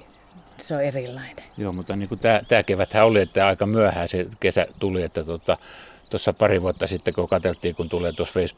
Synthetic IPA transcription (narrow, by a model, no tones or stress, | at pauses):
seoerilːɑinejoːmut̪ːɑniːkut̪æːt̪æːkeʋæt̪hæoliet̪ːæɑikɑmyæhæːsekesæt̪uliet̪ːæt̪ot̪ɑt̪osːɑpɑriʋuɑt̪ːɑsit̪ːekokɑt̪elt̪ˑiːkunt̪uleːt̪uosfeis